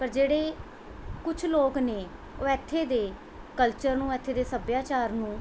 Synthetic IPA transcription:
pəɾd͡ʒeːɽeː | kʊt͡ʃʰloːkneː | oːɛːt̪ʰːeːd̪eː | kəlt͡ʃəɾnũːɛːt̪ʰːeːd̪eːsəbjaːt͡ʃaːɾnũː

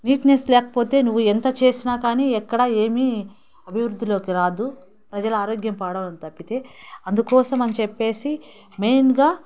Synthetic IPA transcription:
niːʈneslɛːkɐ̥po̞ːt̪e̞ːnuʋːuɛnt̪ɐt͡ʃe̞ːsinaːkaːniːɛkːɐɽɐe̞ːmi | ɐbʱiʋɾud̪ʱːilo̞ːkiɾaːd̪u | pɾɐd͡ʒɐluaːɾoːɡjɐmpaːɽɐʋɐnit̪ɐpːit̪e̞ːɐnd̪ukɔːsɐmɐnɐt͡ʃɛpːe̞ːsi | me̞jnɡaː

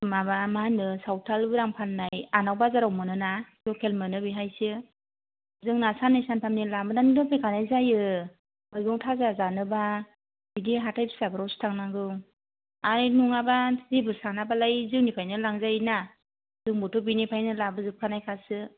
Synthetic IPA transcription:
mabamaanɯsawtʰalbɯɾaŋpʰanːajanawbazaɾawmɯnɯnalɔkʰelmɯnɯbiɦajsɯ | zɯŋnasanajsantʰamnilambɯnanidɔpʰejkʰanajzajɯ | ɯjɡɔŋtʰazazanɯba | bidiɦatʰajpʰi̥sabaɾɔstʰaŋnaŋɡɯŋ | aɾnuŋabazibɯsanabalajzɯŋnipʰajnɯlaŋzajna | zɯŋbɔtʰɔbinipʰajnɯlabɯzɯp̚kʰanajkʰasɯ

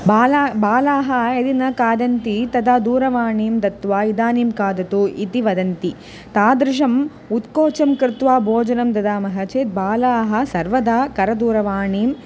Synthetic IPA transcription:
baːlabaːlaːɦɐed̪inɐkaːd̪ɐnt̪it̪ɐd̪aːd̪uːɾɐʋaːɳiːmd̪ɐt̪ːʋaːid̪aːniːmkaːd̪ɐt̪uit̪iʋɐd̪ɐnt̪i | t̪aːd̪ɾɪʃ̬ɐm | ut̪koːt͡ʃɐmkɾɪt̪ʋaːbʱoːd͡ʒɐnɐmd̪ɐd̪aːmɐɦɐt͡ʃeːt̪̚baːlaːɦɐ̆sɐɾʋɐd̪aːkɐɾɐd̪uːɾɐʋaːɳiːm

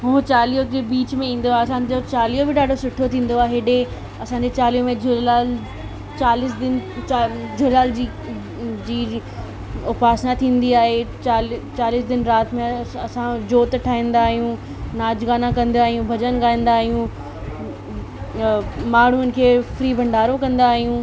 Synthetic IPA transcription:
ɦũːt͡ɕaːlijod͡ʑeːbiːt͡ɕmẽĩːn̆d̪oaeɐsãd͡ʑot͡ɕaːlijobɪɖaːɖʱosʊʈʰːot̪ʰĩːn̆d̪oaːɦeːɗe | ɐsãːɲ̆d͡ʑet͡ɕaːlijomẽd͡ʑʊlaːl | t͡ɕaːlɪsd̪ɪn | d͡ʑʊlaːld͡ʑiː | d͡ʑiː | ʊpaːsnat̪ʰĩːn̆d̪iaːɦet͡ɕaːlt͡ɕaːlɪsd̪ɪnɾaːt̪ɪmẽɐsãd͡ʑoːt̪ʈʰaːɦĩːn̆d̪aːɦijũ | naːd͡ʑɡaːnakɐ̃nd̪iaːɦijũbʱɐd͡ʑənɡaːĩːn̆d̪aːɦijũ | maːɽ̤uən̆kʰeːfɾiːbʱɐ̃ɳɖʱaːɾokɐ̃nd̪aːɦijũ

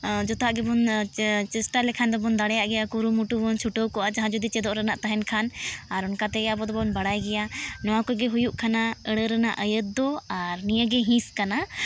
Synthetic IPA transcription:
d͡ʒɔt̪ɦaʔɡɛbɔnt͡ʃɛsʈalɛkʰand̪ɔbɔnd̪aɽɛjaʔɡɛjakuɾumuʈubɔnt͡ʃʰuʈɔkɔʔaʔd͡ʒaɦãd͡ʒɔd̪it͡ʃɛd̪ɔʔɾənaʔt̪aɦɛnkʰanaɾɔnkat̪ɛɡɛabɔd̪ɔbɔɔnbaɽajɡɛjanɔwakɔjɡɛɦujuʔkʰanaəɽəɾəna̰ʔəjət̪̚d̪ɔaɾnijəɡɛɦĩskana

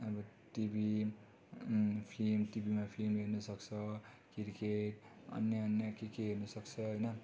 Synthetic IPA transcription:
ʌbʌ | ʈibi | pʰlimʈibimapʰlimlernʌsʌkt͡sʰʌkiɾikeʈʌ̰nːeʌnjakekeɦernʌsʌkt͡sʰʌɦʌjnʌ

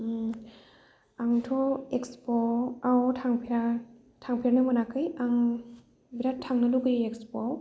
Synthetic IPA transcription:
aŋtʰɔekspɔawtʰaŋpʰiɾa | tʰaŋpʰiɾanɯmanakʰɯjaŋ | biɾatʰaŋnɯduɡɯjekspɔ

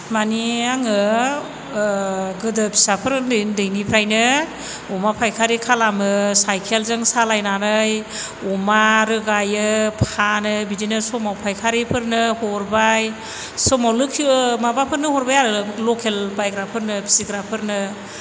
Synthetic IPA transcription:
maniaŋɯ | ɡɯdɯpʰi̥sapʰɯɾdɯndɯjnipʰɾajnɯ | ɔmapʰajkʰaɾikʰalamɯsajkʰelzɯŋsalajnanɯj | ɔmaɾɯɡajɯpʰanɯbidinɯsɔmawpʰajkʰaɾipʰɯɾnɯhɔɾbaj | sɔmawlɯkʰmabapʰɯɾnɯhɔɾbajaɾɯlɔkʰelbajɡɾapʰɯɾnɯpʰi̥siɡɾapʰɯɾnɯ

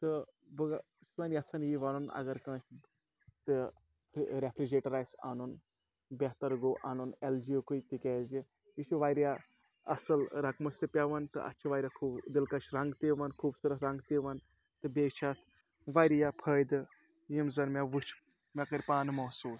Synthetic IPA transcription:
t̪ɨ | bɨɡ | sanʲɐt͡sʰanjiʋaːnunɐ̰ɡɐɾkɐ̃ːs | t̪ɨ | pʰɾepʰɾid͡ʒeʈɐɾaːjsa̰nun | bʲeɦt̪ɐɾɡoːʔanuneld͡ʒiokujt̪ikʲɛːzi | jit͡ʃʰuʋaːjɾja | ɐsɨlɾɐkmɐst̪ɨpʲaʋɐnt̪ɨ̰ʔɐ̰tːt͡ʃʰiʋaːjɾʲakʰuːbd̪ilkɐt͡ʃɾɐŋɡt̪iʋɐnkʰuːbsɨɾɐɾɐ̃ŋɡt̪iʋɐn | t̪ɨbeːt͡ʃʰat̪ʰ | ʋajɾjapʰəːjd̪ɨ | jimzɐnmʲaʋɨt͡ʃʰ | mʲakəɾʲpaːnɨmɐsuːs

